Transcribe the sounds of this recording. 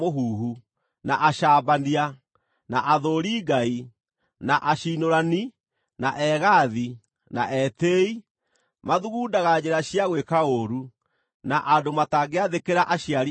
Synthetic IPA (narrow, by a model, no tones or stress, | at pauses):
oɦuːɦu | naʔaʃaːbania | naʔaðoːɾiɡai | naʔaʃiːnoɾani | naʔɛɣaði | na̰ʔɛtei | maðuɣuːdaɣad͡ʑeɾaɕiaɣwekaoɾu | naʔadomataɡeaðekeɾaʔaɕiaɾ